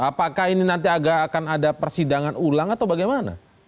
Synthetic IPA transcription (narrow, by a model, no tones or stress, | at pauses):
apakahininant̪̬iaɡaːkanadapərsidaŋanulaŋat̪awbaɡajmana̰